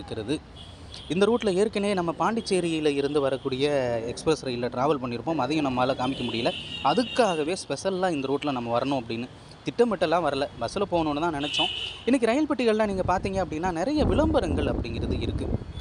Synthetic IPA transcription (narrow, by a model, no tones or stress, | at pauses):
ɯkːɪɾɐðɯ | ɪnd̪ɐɾuːʈːɪlɐeːɾkːɐneːnɐmːɐpaːɳɖɪt͡ʃːeːɾɪjɐɪlɐɪɾɯnd̪ɯʋɐɾɐkːuːɽɪjɐɛkspɾɐsɾɐjɪlːɐʈɾaːʋɐlpɐɳːɪɾɯpːõːmɐðɐjʊ̃nɐmːaːlɐkaːmɪkːɐmʊɽɪjɐlɐɐðɯkːaːɣɐʋeːspɛsɐlːãːɪnd̪ɐɾuːʈːɪlɐnɐmːɐʋɐɾɐɳʊ̃ɐpːɐɽɪnːɯ | t̪ɪʈːɐmɪʈːɐlːãːʋɐɾɐlɐbɐsɐlɐpoːnoːnːɯt̪ãːnɪnɛt͡ʃːõɪnːɐk̬ːiɾɐjɪlpɪʈːɯɣɐɭlãːniːŋɡɐpaːɾt̪iːŋɡɐɐpːɐɽɪnːaːnɪɾɐjɐʋɪɭɐmbɐɾɐŋɡɐɭɐpːɐɽɪŋɡɪɾɐðɯɪɾɯkːɯ